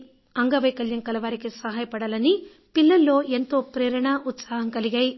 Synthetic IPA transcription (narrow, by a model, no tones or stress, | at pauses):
ɐŋɡɐʋɐjkɐljɐŋkɐlɐʋaːɾikisɐɦaːjɐpɐɽalɐni | pilːɐlːo̞ːʔe̞nt̪o̞ːpɾɛːɾɐɳɐʔut̪saːɦɐŋkɐliɡaːji